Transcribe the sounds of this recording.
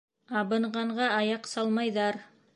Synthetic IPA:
ɑβɤ̆ɴɢɑɴʁɑɑjɑqsɑlˠmɑjðɑɾ

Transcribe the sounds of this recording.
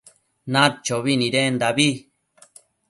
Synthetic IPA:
nãt͡ʃoβinĩɾend̪aβi

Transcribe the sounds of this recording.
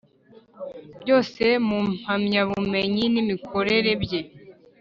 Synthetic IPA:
bjo̞ːse̞mum̥hamɲaβume̞ɲinimikʰo̞ɾe̞ɾe̞bje̞

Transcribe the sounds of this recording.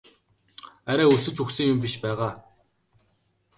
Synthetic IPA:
æɾʲæːusɵ̆t͡ɕuxsɘ̆ŋjʊmpiʃpæːʁaː

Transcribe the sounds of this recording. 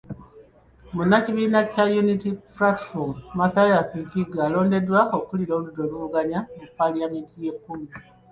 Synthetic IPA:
munːaciβiːnacajunitiplatfommaθajasikiɡalo̞ːnde̞dwaokːuliɾo̞ːludoluuɡaɲamupːaljamiːntʰije̞pːumi

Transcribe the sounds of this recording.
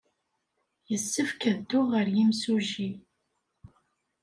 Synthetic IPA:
jəsːəfkəðd̪ʊʁəɾjimsuʒi

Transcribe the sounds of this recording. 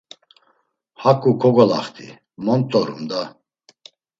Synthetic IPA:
hakʼukʰɔɡɔla̰χt̪ʰḭ | mɔnt̪ʼɔɾṵmd̪a

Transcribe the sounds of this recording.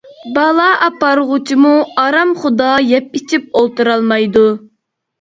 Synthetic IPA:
bɑlˠɑʔɑpɑɾʁʊt͡ʃʰimuɑɾɑmχʊd̪ɑjɛp̚it͡ʃʰip̚olˠt̪uɾɑlˠmɑjd̪u

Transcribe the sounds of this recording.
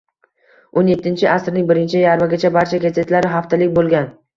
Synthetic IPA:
onje̞t̪ʰːɪnt͡ʃʰɪʔasɪɾnɪŋbɪɾɪnt͡ʃʰɪjaɾmaɡʲat͡ʃʰabaɾt͡ʃʰaɡʲazet̪laɾɪɦaft̪ʰalɪkʲbolˠɡʲan

